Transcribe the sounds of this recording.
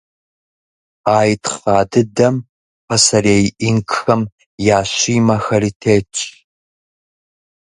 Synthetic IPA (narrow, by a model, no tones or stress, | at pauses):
aːjtʰfaːdɨdɐm | pʰɐsɐreːjʔiŋkxɐm | jaːɕiːmɐxɐriːtʰeːt͡ʃʼ